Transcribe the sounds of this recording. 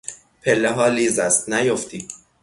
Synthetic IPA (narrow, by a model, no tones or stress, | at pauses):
pʰelːeɦɒːliːzæst̪næjoft̪iː